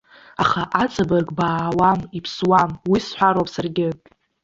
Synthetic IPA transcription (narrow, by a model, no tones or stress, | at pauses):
aχaʔat͡sʼabarkʼbaːwamipʰswamwisħʷaɾowpʼsarɡʲɪ